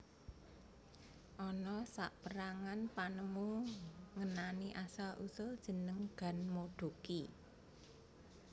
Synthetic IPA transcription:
ʔɔnɔsa̰ʔpəɾaŋanpanəmuŋənaniʔasalʔusʊld̥ʒ̥ə̤nəŋɡ̥a̤nmoɖ̥o̤ki

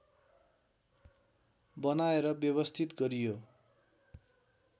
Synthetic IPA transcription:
bʌnaeɾʌbjʌβʌst̪ʰit̪ɡʌɾijo

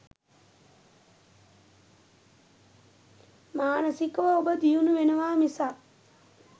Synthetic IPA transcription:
maːnəsikəʋəobəd̪ijunuʋenɐʋaːmisaː

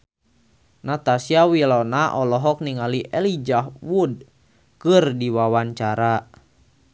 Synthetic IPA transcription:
nat̪asiawilɔnaʔɔlɔɦɔk̚niŋaliʔɛlid͡ʒahwud̚ | kɨrdiwawaɲt͡ʃaɾa

